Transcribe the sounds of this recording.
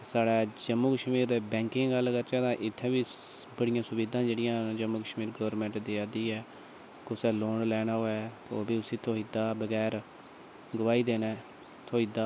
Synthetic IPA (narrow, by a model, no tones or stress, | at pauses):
saːɽaːd͡ʒəmːuːkəʃmiːɾbɛ̃ːŋkɪ̃ŋɡɡəlːɡəɾt͡ʃɛːt̪ãːʔɪt̪ʰːɛ̃ːbiːbəɽɪjãːsʊʋiːd̪ãːd͡ʒeːɽɪjãːd͡ʒəmːuːkəʃmiːɾɡəʋəɾmɛ̃ːɳʈd̪iːad̪iːɛː | kʊsɛːloːɳlɛːnaːɦoːɛːt̪oːbiːʊsĩːt̪ʰoːiːd̪aːbəɡɛːɾ | ɡəʋaːiːd̪eːnɛː | t̪ʰoːiːd̪aː